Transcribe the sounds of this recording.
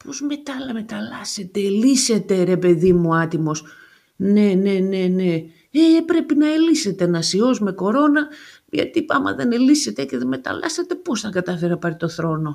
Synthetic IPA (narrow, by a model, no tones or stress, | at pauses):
pozme̞t̪ɐlmet̪ɐlɐset̪e̞ːlise̞t̪e̞ɾe̞pe̞ðimuɐt̪imo̞s | ne̞ne̞ne̞ne̞ | epɾe̞pinɐelise̞t̪enɐsio̞zme̞ko̞ɾo̞nɐ | ʝɐ̰t̪ipɐmɐ̰ðe̞ne̞lise̞t̪e̞ce̞ðeme̞t̪ɐ̰lɐ̰set̪e̞po̞sθɐkɐt̪ɐfe̞ɾɐpɐɾit̪o̞θɾo̞no̞